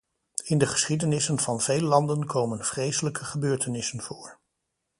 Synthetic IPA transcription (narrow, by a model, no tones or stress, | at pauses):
ɪndəχə̥sχidənɪsənv̥ɑnvejləlɑndənkowmənv̥rejsələkəχəbøːɹtənɪsənv̥ʊːɹ